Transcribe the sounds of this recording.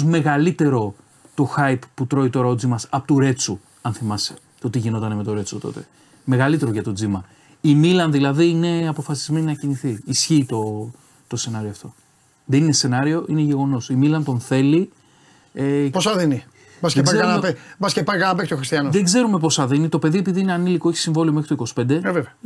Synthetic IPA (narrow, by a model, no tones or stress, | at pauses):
zme̞ɣɐlit̪e̞ɾo̞ | t̪o̞xɐjpput̪ɾo̞it̪o̞ɾɐod͡zimɐsɐpot̪uɾe̞t͡su | ɐnθimɐse̥ | t̪o̞t̪iʝino̞t̪ɐneme̞t̪o̞ɾe̞t͡sot̪o̞̰t̪e̞ | me̞ɣɐlit̪e̞ɾoʝɐt̪o̞d͡zimɐ | imilɐnðilɐðiine̞ɐpo̞fɐsizme̞ninɐciniθiːsçiːt̪o̞ | t̪o̞se̞nɐɾioɐft̪o̞ | ðe̞ninese̞nɐɾio̞ʔine̞ʝe̞ɣo̞no̞similɐnt̪o̞nθe̞li | eposɐðini | bɐskeɡɐkɐnɐpebɐskepɐɾkɐnɐpekst̪oxɾist̪iɐnoðeɡze̞ɾume̞po̞sɐðinit̪o̞pe̞ðie̞piðiineɐnilikoeçi̥siɱvo̞liomexɾit̪oiko̞si̥pe̞nd̪eeveveɐ